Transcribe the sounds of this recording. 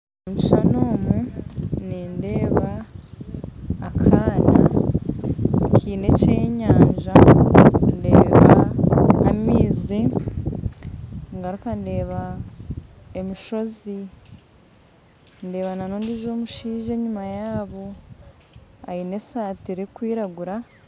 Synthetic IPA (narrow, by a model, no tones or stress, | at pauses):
omi̥ʃano̞ːmuniːnde̞ːβa | kʰaːna̰ | kʰiːne̞ceɲaːɲʒa | nde̞ːβaaː | miːzi | ŋɡaɾukande̞ːβa | emiʃo̞zi | nde̞ːβananoːndiʒo̞ːmuʃiːʒe̞ːɲumajaːβo̞ | aine̞saːtiɾekwiːɾaɡuɾa